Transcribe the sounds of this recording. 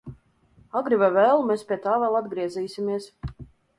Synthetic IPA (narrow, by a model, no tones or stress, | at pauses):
aɡɾivavɛːlˠmɛspʲiɛt̪aːvɛlˠad̪ɡɾiɛziːsʲimiɛs